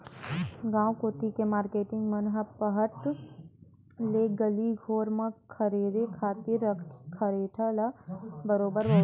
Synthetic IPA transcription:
ɡãːwkoːt̪ikemaːɾkeːʈɪ̃ŋɡmɐnɦɐpəɦəɾt̪ | leɡəliɡʱoːɾmãkʰəɾeːd̪ekʰaːt̪ɪɾəkʰkʰɐɾeːʈʰəlabəɾoːbəɾbə

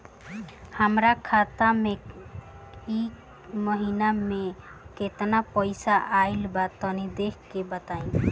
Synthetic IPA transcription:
həmɾakʰat̪ame | i | məɦinameket̪napəɪsaʔailbat̪ənid̪ekʰkebət̪aĩ

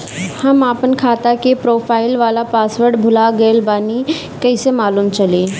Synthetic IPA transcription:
hɐmaːpənkʰaːt̪akepɾoːpʰaːɪlʋaːlapaːsʋəɾɖbʱʊlaɡəlbaːni | kɐɪsemaːlumt͡ʃɐleː

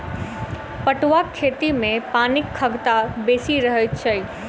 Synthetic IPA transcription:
pɐʈʋakʰːeːt̪imẽpaːnɪkʰːəɡt̪abeːsiɾəɦət͡ʃʰəi

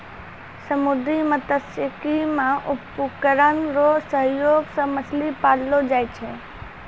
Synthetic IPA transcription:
səmʊd̪imət̪əsəkimãʔʊpːukəɾənɾosəɦjoːɡsə̃məslipaːllod͡ʒaːjt͡ʃʰe

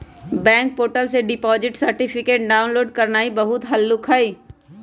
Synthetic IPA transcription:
bɛ̃ːŋk̚poːʈəlseɖɪpɔːzɪʈsəɾʈipʰɪkeːʈ̚ɖaːʊnloːɖkɐɾnaːibɐɦʊt̪ɦɐlːʊkʰaːiː

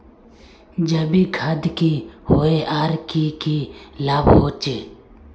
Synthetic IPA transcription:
d͡ʒəbiːkʰad̪kiːhoːeʔaːɾkikiːlaːbɦoːt͡ʃeː

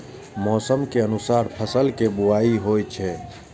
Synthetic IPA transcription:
mɔːsəmkeənusaːɾpʰəsəlkebuaːiɦojt͡ʃʰɛ

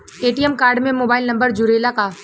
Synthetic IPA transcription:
eːʈiɛmkaːɾɖmẽmoːbaːɪlnɐ̃mbəɾd͡ʒʊɾeːlaka

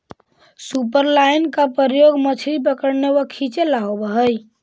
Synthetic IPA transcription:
supəɾlaɪnkapəɾjoɡmət͡ʃʰɾip̬əkəɾnewəkʰit͡ʃelaɦobəɦəj

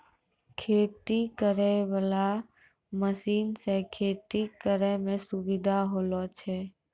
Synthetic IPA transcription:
kʰeːt̪ikəɾɛʋala | məsiːnsẽkʰeːt̪ikəɾɛmẽsuʋid̪ʱaɦoːlot͡ʃʰɛː

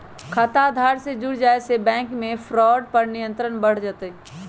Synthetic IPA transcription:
kʰat̪ad̪ʱaːɾsed͡ʒʊɽd͡ʒaːesebɛ̃ːŋkmẽfʰɾɔːɖpɐɾnɪjə̃nt̪ɾənbəɽ̤d͡ʒaːt̪e

